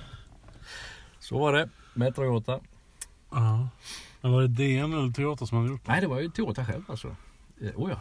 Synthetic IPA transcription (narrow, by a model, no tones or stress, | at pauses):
sɔ̰vaɖɛmɛt̪ɾɔɡoːt̪a | ɑ | mɛnvaɾɛd̪eːɛnɛlːət̪ʰɛɑːt̪əsɔmhad̪əjʊʈːnæɪd̪ɛvaɾjɵt̪ʰɛoːt̪aɧɛ̰lvalsɔ̰ | ʔuːjɑ̰ː